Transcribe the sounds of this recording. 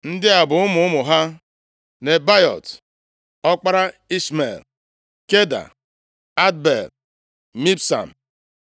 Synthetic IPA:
n̩˦dɪ˦a˨bʊ˨ʊ˦mʊ˨˦ʊ˦mʊ˨ɦa˦ | ne˨ba˦jɔ̰˨t | ɔ˦k͡pa˦ɾa˦i˦smḛ˨l | ke˦da̰˨ | a˦d̚bḛ˨l | mi˦psa̰˨m̩˨

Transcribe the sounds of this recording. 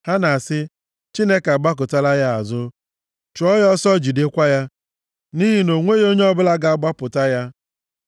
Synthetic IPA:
ha˦na˨a˨sɪ˦ | t͡ʃi˦ne˦ka˨ɡ͡ba˦k̬ʊ˨ta˦la˦ja˦a˨zʊ˦ | t͡ʃʊ˨ɔ˦jɔ˦sɔ˦d͡ʒi˨de˦kʷa˦ja˦ | ni˦ɦi˨no˨ŋʷe˦jo˦ɲe˦ɔ˦bʊ˦la˦ɡa˨a˨ɡ͡ba˦pʊ˨ta˦ja˦

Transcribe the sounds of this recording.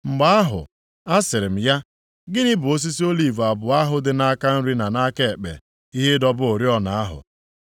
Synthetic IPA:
ŋ͡m̩˨ɡ͡ba˦a˦ɦʊ̰˨ | a˦sɪ˨ɾɪ˨m̩˨ja˦ | ɡɪ˦nɪ˦bʊ˨o˦s̬i˦si˦o˦li˦˨va˨bʊ˨a˦ɦʊ˨dɪ˦na˦ka˦n̩˦ɾi˦na˨na˦ke˦˨e˨k͡pḛ˨ | i˦ɦɪ˦dɔ˦bʊ˦o˨ɾi˦ɔ˦na˨a˦ɦʊ̰˨

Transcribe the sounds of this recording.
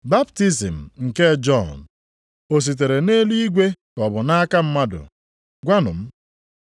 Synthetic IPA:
ba˦bti˦si˨m̩˨ŋ̩˨ke˦d͡ʒɔ˦˨n | o˨s̬i˨t̬e˨ɾe˨ne˦li˦i˦ɡʷe˦kɔ˨bʊ˨na˦ka˦m̩˦ma˦dʊ̰˨ | ɡʷa˦nʊ̰˨m̩˦

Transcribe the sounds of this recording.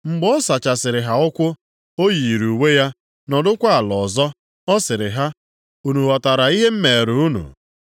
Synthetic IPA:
ŋ͡m̩˨ɡ͡bɔ˦sa˨t͡ʃa˨sɪ˨ɾɪ˨ɦa˨ʊ˦kʷʊ˦ | o˦ji˨ɾu˨we˦ja˦ | nɔ˨dʊ˦kʷa˦a˨lɔ˨zɔ˦ | ɔ˦sɪ˨ɾɪ˨ɦa˦ | u˨nu˨ɔ˨ta˨ɾa˨i˦ɦe˦m̩˦me˨e˨ɾu˨u˦nṵ˨

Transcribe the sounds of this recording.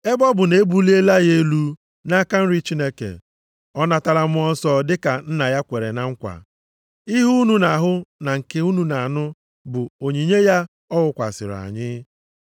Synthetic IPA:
e˦bɔ˦bʊ˨ne˨˦bu˦li˦e˦la˦je˦lu˦ | na˦ka˦n̩˦ɾi˦t͡ʃi˦ne˦kḛ˨ | ɔ˦na˨ta˦ɾa˦mʊ˦ɔ˦n̩˦sɔ˦dɪ˦ka˨n̩˦na˨ja˦kʷe˨ɾḛ˨na˦ŋ̩˦kʷa̰˨ | i˦ɦu˦nu˦na˨ɦʊ˦na˨ŋ̩˨ke˨u˦nu˨na˨nʊ˦ | bʊ˨o˨ɲi˨ɲe˦ja˦ | ɔ˦ɦʊ˨kʷa̰˨sɪ̰˨ɾa̰˨ɲɪ˦

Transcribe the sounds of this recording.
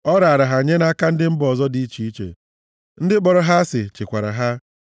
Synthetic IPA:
ɔ˦ɾa˨a˨ɾa˨ɦa˨ɲe˦na˦ka˦n̩˦dɪ˦m̩˦bɔ˨zɔ˦di˦t͡ʃi˦i˦t͡ʃḛ˨ | n̩˦dɪ˦k͡pɔ˨ɾɔ˨ɦa˦sɪ˨t͡ʃɪ˨kʷa˨ɾa̰˨ɦa˦

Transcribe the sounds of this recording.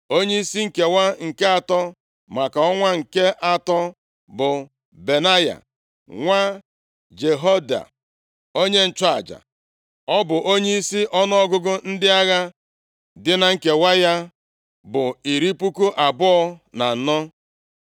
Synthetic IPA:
o˦ɲe˦i˦si˦ŋ̩˨ke˨wa˦ŋ̩˨ke˦a˨tɔ˦ | ma˨ka˨ɔ˦ŋʷa˦ŋ̩˨ke˦ʔa˨tɔ˦ | bʊ˨ | be˨na˦ja̰˨ | ŋʷa˦ | d͡ʒe˨ɦo˦da̰˨ | o˦ɲe˦n̩˨t͡ʃa˨d͡ʒa̰˨ | ɔ˦bʊ˨ʔo˦ɲe˦i˦si˦ʔɔ˦nɔ˦ɔ˦ɡʊ˦ɡʊ˦n̩˦dɪ˦a˦ɣa˦ | dɪ˦na˨ŋ̩˨ke˨wa˦ja˦ | bʊ˨i˨ɾi˦pu˦ku˦ʔa˨bʊ˦ɔ˦na˨n̩˨nɔ˦

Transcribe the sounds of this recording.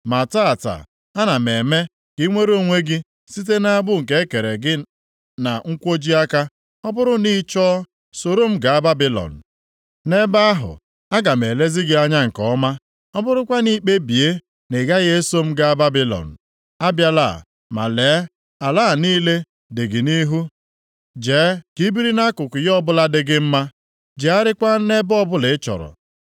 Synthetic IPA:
ma˨ta˦a˨ta̰˨ | a˦na˨me˨me˦ | ki˦ŋʷe˦ɾo˦˨ŋʷe˦ɡɪ˦ | si˦t̬e˦na˦a˦bʊ˦ŋ̩˨k̬e˦e˦ke˨ɾe˨ɡɪ˦ | na˨ŋ̩˦kʷo˦d͡ʒi˦a˦ka˦ | ɔ˦bʊ˦ɾʊ˦ni˦t͡ʃɔː˦ | so˨ɾo˦m̩˦ɡa˨a˦ba˦bi˦lɔ̰˨n̩˨ | ne˦ba˦a˦ɦʊ̰˨ | a˦ɡa˨me˨le˦zɪ˦ɡɪ˦a˦ɲa˦ŋ̩˨kɔ˦ma˦ | ɔ˦bʊ˦ɾʊ˦kʷa˦ni˦k͡pe˦bi˨e˦ | ne˨ɡa˦ɣe˦so˦m̩˦ɡa˨a˦ba˦bi˦lɔ̰˨n̩˨ | a˦bja˦la̰˦˨ | ma̰˨leː˨˦ | a˨laː˦˨niː˦le˦ | dɪ˨ɡɪ˨ni˦ɦu˦ | d͡ʒeː˨˦ki˨˦bi˦ɾi˦na˦kʊ˨kʊ˨jɔ˦bʊ˦la˦dɪ˨ɡɪ˦m̩˦ma˦ | d͡ʒe˨a˦ɾɪ˦kʷa˦ne˦bɔ˦bʊ˦lɪ˨˦t͡ʃɔ̰˨ɾɔ̰˨

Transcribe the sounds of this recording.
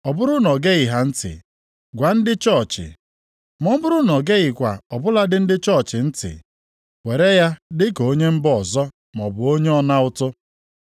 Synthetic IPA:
ɔ˨bʊ˦ɾʊ˦nɔ˨ɡe˦i˨ɦa˨n̩˦tɪ̰˨ | ɡʷa˨n̩˦dɪ˦t͡ʃɔ˦˨t͡ʃɪ̰˨ | mɔ˦m̩˦bʊ˦ɾʊ˦nɔ˨ɡe˦ɣɪ˨kʷa˨ɔ˨bʊ˦la˦dɪ˦n̩˦dɪ˦t͡ʃɔ˦˨t͡ʃɪ˨n̩˦tɪ̰˨ | we˨ɾe˦ja˦dɪ˦ko˨o˦ɲe˦m̩˦bɔ˨zɔ˦ | mɔ˨bʊ˨o˦ɲe˦ɔ˦na˦ʊ˦tʊ˦

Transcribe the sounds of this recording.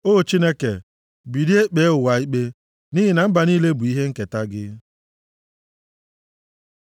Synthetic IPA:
o˦˨t͡ʃi˦ne˦ke˨ | bi˨di˦e˦k͡pe˨˦ʊ˨wa˨i˦k͡pe˦ | ni˦ɦɪ˨na˨m̩˦ba˨niː˦le˦bʊ˨i˦ɦe˦ŋ̩˦ke˨ta˦ɡɪ˦

